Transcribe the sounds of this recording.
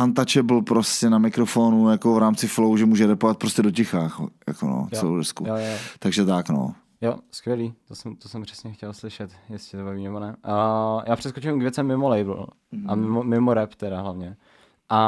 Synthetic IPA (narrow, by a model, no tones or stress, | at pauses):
ant̪at͡ʃɛbl̩pɾoscɛnamɪkɾofonujakovɾaːmt͡sɪflowʒɛmuːʒɛɾɛpovat̪̚pɾoscɛdocɛxaːxja̰kono̰t͡sɛlo̰wdɛskujot̪aɡʒɛt̪akno̰ | joskvjɛliːt̪osɛmt̪osɛmpr̥ɛ̥sɲɛxcɛlslɪʃɛt̪jɛsɪt̪obaviːmnɛbonɛ | jʔaːpr̝̥ɛskot͡ʃɪmkvʲjɛt͡sɛmːɪmolɛjbl̩ | ʔamɪmomɪmoɾɛpt̪ɛɾaɦlavɲɛ | ʔa